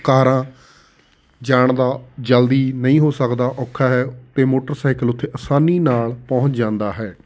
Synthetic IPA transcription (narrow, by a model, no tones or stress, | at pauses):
kaːɾãː | d͡ʒaːɳd̪aːd͡ʒəld̪iːnəĩːɦoːsəkd̪aːʔɔːkʰːaːɦɛːt̪eːmoːʈəɾsaːɪkəlʊt̪ʰːeːʔəsaːniːnaːlpɔ̃ːɦʊ̃t͡ʃd͡ʒãːnd̪aːɦɛː